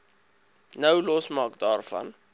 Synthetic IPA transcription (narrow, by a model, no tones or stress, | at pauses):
nəwlɔsmɑːkdɑːrfɐ̰n